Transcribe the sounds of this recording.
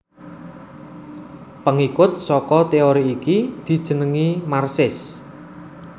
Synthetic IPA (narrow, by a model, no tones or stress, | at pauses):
pəŋikʊt̪̚sɔkɔt̪eoɾiːkid̪̥i̤d̥ʒ̥ə̤nəŋimarsɪs